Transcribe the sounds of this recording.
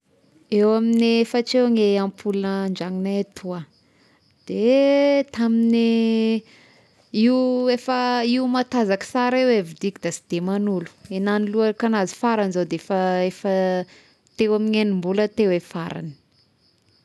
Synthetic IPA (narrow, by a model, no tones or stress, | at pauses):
ewamineefəʈ͡ʂeŋeampʰulunəɳd͡ʒaŋinat̪ʰua | d̪̥et̪amini | iuefəiumat̪azakə̥saɾewevid̪ikid̪asi̥d̪̥emanulu̥enaniluaɾkanazi̥faɾanizod̪eefəefə | t̪ewamiŋenimbulət̪ewefaɾa̰ni̥